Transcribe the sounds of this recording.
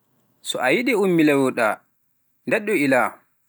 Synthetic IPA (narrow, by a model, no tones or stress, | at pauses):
sɔʔajiɗɛumːilɛwɔɗa̰ | ndɛɗːɔila